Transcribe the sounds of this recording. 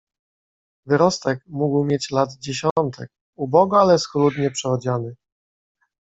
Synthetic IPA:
vɘɾɔst̪ɛkmuɡwmʲjet͡ɕlad̪d͡ʑeɕɔnt̪ʰɛ̰k̚ | ubɔɡɔalɛsxlud̪ɲɛpʂɛvɔd͡ʑanɘ

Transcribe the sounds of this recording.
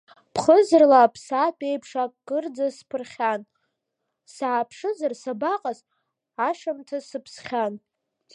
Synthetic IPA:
pʰχəzɨrlapʰsatʼejpʰʂakʼɡɨrd͡zaspʰɨrχʲan | saːpʰʂɨzarsabaqʼaz | aʂamtʰasɨpʰsχʲan

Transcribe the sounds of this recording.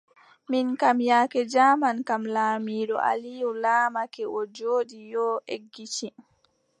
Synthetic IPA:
minkamjakɛd͡ʒamankamlaːmiːɗɔ̰ʔa̰lijulaːmakɛʔɔd͡ʒoːɗijɔʔeɡːit͡ʃi

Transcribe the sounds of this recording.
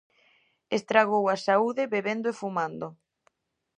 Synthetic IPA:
est̪ɾaɣowasauðɪβeβend̪oefumãnd̪o

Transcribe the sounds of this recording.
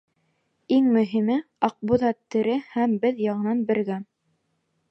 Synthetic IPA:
iŋmɵ̆ɦimɘ | ɑq̚buðɑt̪ːɘ̆ɾɘhæmbɘðjɑʁɤ̆nɑnbɘ̆ɾɡæn

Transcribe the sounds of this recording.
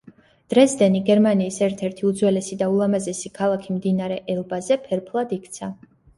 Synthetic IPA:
d̪̥ɾɛsd̪ɛniɡɛɾmaniːsɛɾt̪ʰɛɾt̪ʰiud̪zwɛlɛsid̪aulˠamazɛsikʰalˠakʰimd̪inaɾɛʔɛlˠbazɛpʰɛɾpʰlˠad̪ikʰt̪sʰa

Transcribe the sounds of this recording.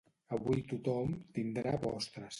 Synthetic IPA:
əβujt̪ut̪ɔmt̪ind̪ɾaβɔst̪ɾəs

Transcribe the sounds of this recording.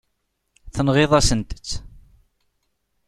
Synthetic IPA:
θənʁeðˤɑsənt̪ə̥t͡sː

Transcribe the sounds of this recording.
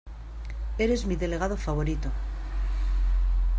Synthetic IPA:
eɾe̞zmiðe̞le̞ɣ̞aðo̞faβ̞o̞ɾit̪o

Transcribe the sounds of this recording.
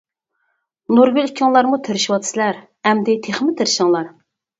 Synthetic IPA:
nuɾɡʲylikʲʰːɪŋlˠɑɾmut̪ʰeɾɪʃiwɑt̪ʰɨ̥sɪlæɾ | hɛmd̪ɪt̪ʰeχmɪt̪ʰeɾɪʃɪŋlˠɑɾ

